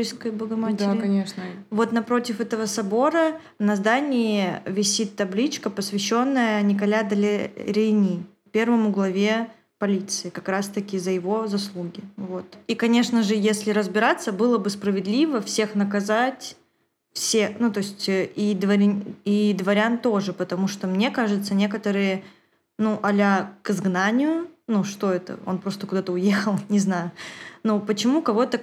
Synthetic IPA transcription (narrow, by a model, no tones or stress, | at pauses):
iskəjbəɡɐmat̪ʲakɐnʲeʂnəvo̞t̪nɐpɾo̞tʲɪfɛt̪əvəsɐbo̞ɾə | nɐzd̪anʲɪɪvʲɪsʲit̪ːɐblʲit͡ɕkəpəsvʲɪɕːo̞nːəjənʲɪkɐlʲad̪ɐlʲɪɾʲɪnʲi | pʲe̞rvəmʊɡlˠɐvʲe | pɐlʲit̪sɨɪkɐkɾast̪əkʲɪzəjɪvo̞zɐslˠuɡʲɪvo̞t̪ikɐnʲe̞ʂnəʐɨjesʲlʲɪɾəzbʲɪɾat̪sːəbɨlˠəbɨspɾəvʲɪd̪lʲivəfsʲe̞xnəkɐzatʲ | fsʲexnut̪o̞sʲtʲəid̪vɐɾʲid̪vɐɾʲant̪o̞ʐɨpət̪ɐmuʂt̪o̞mnʲe̞kaʐɨt̪sənʲe̞kət̪əɾɨjə | nuʔɐlʲakɨzɡnanʲɪjʊnuʂt̪o̞ɛt̪ə̰o̞̰npɾo̞st̪əkʊd̪at̪əʊje̞xəlˠnʲɪznajʊnopət͡ɕɪmukɐvo̞t̪ə